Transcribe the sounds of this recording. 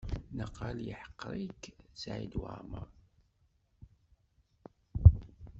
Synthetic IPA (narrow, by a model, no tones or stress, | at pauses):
nəqɑljiħə̥qːɾˤiksʕḭd̪wə̰mə̰ɾˤ